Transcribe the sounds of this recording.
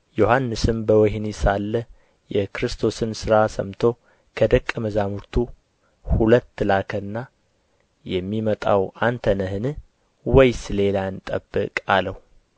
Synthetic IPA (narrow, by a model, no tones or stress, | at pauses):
johanːɨsɨmbəwɔɦnisalːə | jɛkʰɾɨst̪ʰo̞sɨnsɨɾasə̰mt̪ʰo̞ | kʰəd̪əkʼːəməzamuɾt̪ʰu | hulət̪ːlakʰənːa | jɛmːimət̪ʼa̰want̪ʰənəhɨnɨ | wɔjsɨle̞lant̪ʼə̰bːɨ̰kʼaləhu